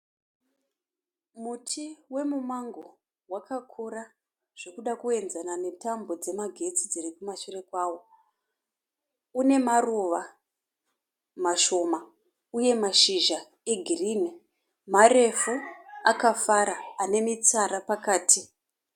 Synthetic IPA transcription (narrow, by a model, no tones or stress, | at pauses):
mutʰiwe̞mumaŋɡo̞ | wakakʰoɾa | ʐ̥e̞kuɗakue̞nzanane̞tambo̞d͡ze̞maɡʱe̞t͡sid͡zirikumaʃurekwaːwo̞ | une̞maruʋa | maʃo̞ma | uje̞maʃiʒa | e̞ɡʱiriːne | mare̞fuakafaɾaːne̞mit͡saɾapakaːtʰi